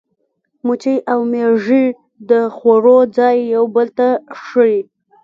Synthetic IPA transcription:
mʊt͡ʃəjʔawmeʐi | d̪əxoɾod͡zɑjːawbəlt̪aʂəɾi

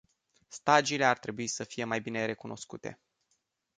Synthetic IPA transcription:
st̪ad͡ʒile̞art̪ɾe̞buisəfije̞majbine̞ɾe̞kunʔo̞̰skut̪e̞̰

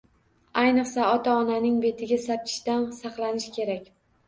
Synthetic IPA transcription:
ajnɨqsaɒt̪ʰaɒnanɪŋbe̞t̪ʰɪɡʲasap̚kʲʰɪ̥ʃt̪ansɑqlˠanɪʃkʲʰe̞ɾakʲ

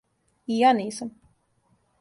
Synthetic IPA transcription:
ianiːsɐm

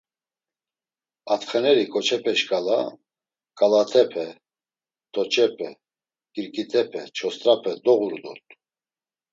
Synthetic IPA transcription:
at̪χɛnɛɾikʼɔt͡ʃʰɛpʰɛʃkʼala | kʼalat̪ʰɛpʰɛ | t̪ʰʼɔt͡ʃʼɛpʰɛ̰ | kʼiɾkʼit̪ʰʼɛpʰɛt͡ʃʰɔst̪ʼɾapʰɛd̪ɔɣuɾd̪ɔ̰t̪ʼ

